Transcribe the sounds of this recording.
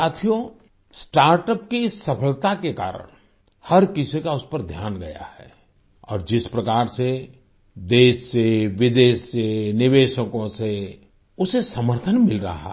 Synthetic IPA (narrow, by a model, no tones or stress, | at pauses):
aːt̪ʰijo | sʈaːɾʈəpkisːɐpʰəlt̪akeka̰ːɾə̰ɽ | hɐɾkɪsikaʊspəɾd̪ʱjaːnɡɐja̰hɛ̰ː | ɔ̰ːɾd͡ʒɪspɾɐkaːɾse | d̪eːʃseʋɪd̪eːʃsenɪʋeːʃəkõse | ʊsesɐməɾt̪ʰənmɪlɾɐ̰ɦa̰